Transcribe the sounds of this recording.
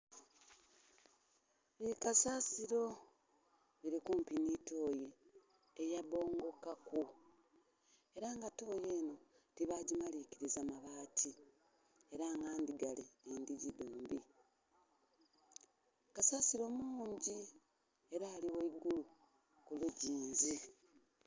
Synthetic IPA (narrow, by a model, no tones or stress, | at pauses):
βiikasaːsiɾo̞ | βiɾikumpinito̞ːjeː | jaβo̞ːŋɡo̞kaku | e̞ɾaŋɡato̞ːje̞ːno̞ | tiβaːɟimaliciɾizamaβaːtʰi | e̞ɾaːŋɡaːndiɡaliendiɟiduːmbi | kasaːsiɾo̞muːɲɟi | e̞ɾaːliweiɡulu | kuluɟiːnzi